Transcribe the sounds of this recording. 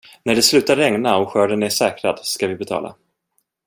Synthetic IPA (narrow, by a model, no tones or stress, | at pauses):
næɖɛslʉ̟ːt̪aɾɛŋnaɔɧœːɖənæʂɛːkɾad̪skavɪbɛt̪ʰɑ̰ːla̰